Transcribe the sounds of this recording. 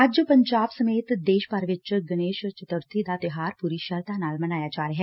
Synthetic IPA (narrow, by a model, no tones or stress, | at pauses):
əd͡ʒpəɲd͡ʒaːbsəmeːt̪d̪eːʃpəɾʋɪt͡ʃɡəneːʃt͡ʃət̪əɾt̪ʰid̪aːt̪ɪɦaːɾpuɾiːʃəɾt̪ãːnaːlmənaːjaːd͡ʒaːɾeɦɛː